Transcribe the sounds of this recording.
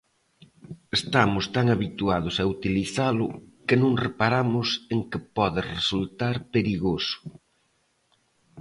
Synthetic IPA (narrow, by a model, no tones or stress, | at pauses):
est̪amʊst̪aŋaβit̪uaðʊsɐut̪iliθalʊkɪnõŋrepaɾamʊseŋkɪpɔðɪresult̪aɾpeɾiɣosʊ̥